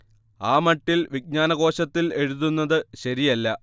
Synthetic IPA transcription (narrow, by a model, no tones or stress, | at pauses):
aːmɐʈːilʋiɡ̚ɲaːnɐɣo̞ːɕɐt̪ːile̞ɻuðunːɐðɨɕɐɾijɐlːɐ